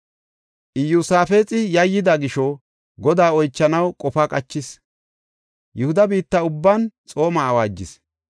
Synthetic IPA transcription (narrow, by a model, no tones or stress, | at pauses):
ʔɪjusaːfeːt͡sʼɪjɐjːɪd̪ɐɡɪʃɔ | ɡɔd̪aːɔjt͡ʃːɐnɐwkʼɔfakʼɐt͡ʃːɪs | jʔʊhʊd̪ɐbiːt̪ːɐʊbːɐnt͡sʼo̞ːmɐːwaːd͡ʒːɪs